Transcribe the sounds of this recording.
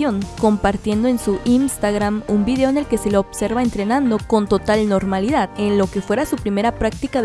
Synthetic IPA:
joŋko̞mpaɾt̪je̞nd̪o̞ensuʔinst̪aɣɾamumbiðeoenelke̞se̞looβse̞ɾβae̞nt̪ɾe̞nãnd̪o̞ko̞nt̪o̞t̪alno̞ɾmaliðaðe̞nlo̞ke̞fwe̞ɾasupɾime̞ɾapɾak̚t̪ikað

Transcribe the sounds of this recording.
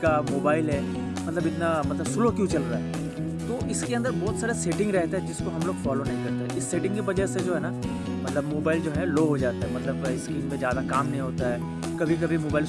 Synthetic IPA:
kamoːbaːɪlɦɛː | mɐt̪ləbɪt̪namɐt̪ləbsʊlokjũt͡ʃɐlɾaɦɛ | t̪oːɪskeɐ̃nd̪əɾbɔːt̪saːɾeseːʈɪ̃ŋɡɾɛɦt̪eɦɛd͡ʒɪskoɦɐmloːɡfaːlonɐɦĩkɐɾt̪eɦɛʔɪsːeːʈɪ̃ŋɡkibɐd͡ʒəsed͡ʒoːɦɛːna | mɐt̪ləbmoːbaːɪld͡ʒoːɦɛloːɦod͡ʒaːt̪aɦɛmɐt̪ləbɪskiːnmẽzjaːd̪akaːmnɐɦĩɦoːt̪aɦɛː | kɐbʱikɐbʱimoːbaːɪl

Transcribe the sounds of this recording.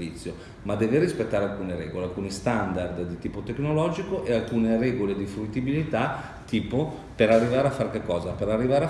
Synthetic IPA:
vit̪sːjo | mad̪ɛːverispet̪ːaːɾealkuːneɾɛ̰ːɡolealkuːnist̪and̪ard̪d̪it̪iːpot̪eknolɔːd͡ʒikoʔealkuːnerɛːɡoled̪ifɾuit̪ːibilit̪a | t̪iːpo | peɾarːivaːɾeafːaɾkekːɔːzapeɾarːivaːɾea

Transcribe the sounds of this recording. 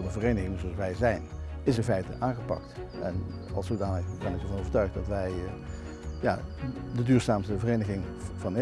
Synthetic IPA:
dəvərejnəχɪŋzoɑlˠsʋɛjzɛjnɪsɪnfɛjtə̰ʔaːχəpɑ̰k̚tɛ̰nɑ̰lˠsodaːnəχbɛnɪkəɹvɑnowvəɹtœɥχdɑtʋɛj | ja̰ː | dədyːɹsaːmsəvərejnəχɪŋvɑn

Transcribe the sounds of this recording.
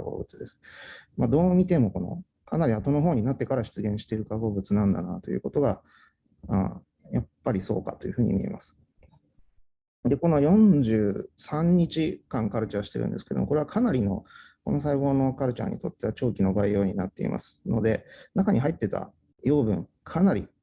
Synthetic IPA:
abo̰ːbɯ̟t͡sɨd̪e̞sɨ̥mad̪o̞ːmʲit̪e̞mo̞ko̞no̞̰ | kʰanaɾʲiβat̪o̞no̞ɦo̞ːɲ̟inat̪ːe̞kaɾaɕi̥t͡sɨɡẽ̞ɰ̃ɕi̥t̪e̞ɾɯ̟kaɡo̞ːbɯ̟t͡sɨnãnd̪a̰nat̪o̞jɯ̟̰ːko̞t̪o̞ɡa | a̰ː | japːaɾʲiso̞̰ːkat̪o̞jɯ̟ɸɯ̟ːɲ̟ḭmʲḭe̞̰mʔasɨ̥ | d̪e̞ko̞nojõ̞ɲd͡ʑɨːsãɲ̟ːit͡ɕikãŋkaɾɯ̟t͡ɕaβɕi̥t̪e̞ɾɯ̟̰̃nd̪e̞sɨ̥ked̪omokoe̞akʰanaɾʲino̞̰ | ko̞̰no̞s̬aiβo̞ːno̞kaɾɯ̟t͡ɕa̰ɲ̟ḭt̪o̞t̪ːe̞βat͡ɕo̞ːkʲino̞baejo̞ːɲ̟inat̪ːe̞ḭmʔa̰sɨ̥no̞d̪e̞nakaɲ̟ʔiɦait̪ːe̞t̪a̰ | jo̞ːbɯ̟̰̃ŋkʰanaɾʲḭ

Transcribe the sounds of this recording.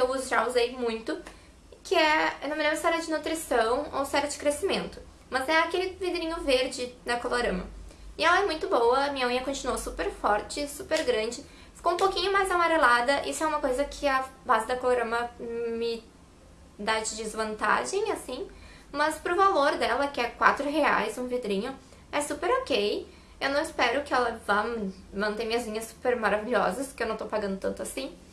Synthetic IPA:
ewzʒauzejmũj̃t̪ʊ | kʰɪɛnõmnɐ̃mɐsɔɾɐd͡ʒɪnut̪ɾisɐ̃w̃o̰wsɛɾɐd͡ʒɪ̥kɾesimẽnt̪ʊ̥ | mɐzɛakelɪvid̪eɾĩɲʊveɾd͡ʒɪd̪ɐkoloɾɐ̃mɐ̰ɪɛlɐɛmũj̃t̪ʊbowɐɐmĩɲɐmɐ̃ɲɐkõt͡ʃinuosupeɾfɔɾt͡ʃɪsupeɾɡɾɐ̃d͡ʒɪ | fi̥kowũpowkĩɲʊmajzamaɾelad̪ɐʔisʊɛũmɐkojzɐkʰɪɐbazɪd̪ɐkoloɾɐ̃mɐmɪ | d̪ad͡ʒɪd͡ʒɪzvɐ̃nt̪a̰ʒẽj̃asĩ | mɐspɾʊvaloɾd̪ɛlɐkɪɛkwa̰t̪ɾʊɦea̰jzũved̪ɾĩɲʊ | ɛsupeɾokej | ewnɐ̃w̃ɪspɛɾʊkɪɛlɐva | mɐ̃nt̪eɾmĩɲɐzlĩɲɐsu̥peɾmaɾaviʎɔ̰zɐskɪewnɐ̃w̃t̪owpaɡɐ̃nd̪ʊt̪ɐ̃nt̪ʊasĩ

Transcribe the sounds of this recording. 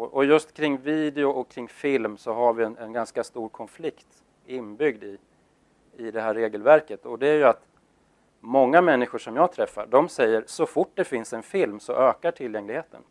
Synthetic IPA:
ɔʔɔjɵst̪kʰɾɪŋːviːd̪ɛʊʔɔkʰɾɪŋːfɪlmsɔɦaɾvɪɛnɛnɡanskast̪uːɾkʰɔnflɪkt̪ | ɪnːbʏɡd̪ɪ | ɪd̪ɛɦæːɾːeːɡəlvæɾkət̪ɔd̪ɛæɾjɵat̪ | mɔŋːamɛnːɪɧʊʂɔmjɑːɡ̚t̪ʰɾɛfːa̰ɖɔmsɛjːəɾsɔfʊʈ̚ːd̪ɛfɪnsɛnfɪlmsɔ̰ʔøːkaʈʰɪljɛŋlɪɡheːt̪ʰə̰n

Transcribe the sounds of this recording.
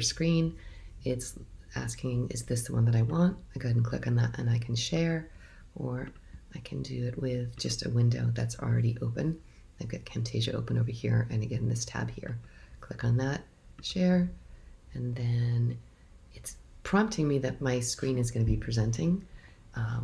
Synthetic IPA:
əskɹĩnɪtsæ̰skʰɪ̃ŋɪ̰zðɪsðəwʌ̃nðəɾaɪwɑ̃ntaɪɡoʊɾn̩kʰl̥ɪ̰kn̩ðə̰ɾʔɨ̰̃naɪkʰn̩ʃɛɹ | ʔə˞ | ʔaɪkʰɨ̃ndɨɪt̚wɪðd͡ʒʌstɨ̰wɪ̃ndo̰ʊðɨtsl̩ˠɹɛɾiʔoʊpɨ̃n | aɪvɡɑt̚kʰɛ̃mtʰeɪʒɨ̰ʔo̰ʊpə̃noʊvə˞hḭɹɨ̃nɨɡɛ̃ɾ̃n̩ðɪstʰæ̰b̥hḭɹkʰl̥ɪkn̩ðət̚ | ʃɛɹ | ɨ̃nðɨ̃n | ɨtspʰɹ̥ɑ̃mp̚tʰɪ̃ŋmiðɨt̚maɪskɹĩnɨzɡʌnɨbipʰɹ̥izɛ̃ntʰɪ̃ŋ | ʌ̃

